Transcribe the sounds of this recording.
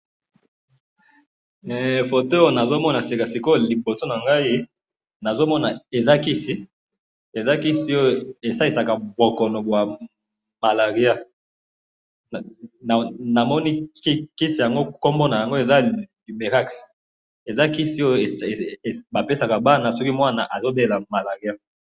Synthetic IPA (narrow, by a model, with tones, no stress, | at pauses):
fo˨to˦o˦na˨zo˦mɔ˦na˨si˨ka˨si˨ko˦li˨bo˨so˦na˨ŋɡa˦i˦ | na˨zo˦mɔ˦na˨e˨za˦ki˦si˦ | e˨za˦ki˦si˦o˦jo˨e˨sa˦li˨sa˨ka˨bo˨kɔ˨no˨bwa˨ | ma˨la˨ʁi˦a˦˨ | n˨na˨mɔ˦ni˦i˦ki˦si˨ja˨ŋɡo˦ko˦mbo˦na˨ja˨ŋɡo˦e˨za˦li˨me˨ʁa˦ks | e˨za˦ki˦si˦o˦jo˨e˨ba˨pe˦sa˨ka˨ba˦na˨sɔ˦ki˦mwa˦na˨ʔa˨zo˦be˦˨la˨ma˨la˨ʁi˨˦a˦